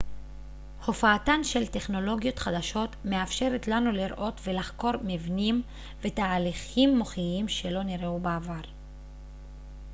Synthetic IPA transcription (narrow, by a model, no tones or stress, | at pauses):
ho̞faːtanʃe̞lte̞χno̞lo̞ɡijo̞t̪χad̪aʃo̞t̪meafʃe̞ʁet̪lanuliɾʔo̞tve̞laχko̞ɾmivnim | ve̞taːliχimːo̞χiimʃe̞lo̞niʁeubeavaʁ